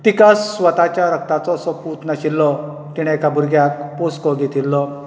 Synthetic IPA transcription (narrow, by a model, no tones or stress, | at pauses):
t̪ikasːʋət̪at͡ɕjaɾək̚t̪at͡sɔsɔput̪nəɕilːɔ | t̪iɽ̃ɛ̃ekabʱuɾɡjakposkɔɡʱet̪ilːɔ